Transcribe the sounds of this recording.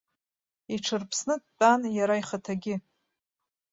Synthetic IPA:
iʈ͡ʂʰɨrpʰsnɨtʼt͡pʼanjaɾaiχatʰaɡʲɪ

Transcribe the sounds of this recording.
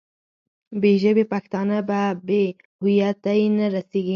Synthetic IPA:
beʒəbepaxt̪ɑnababe | hʊjat̪ajnaɾaseɡi

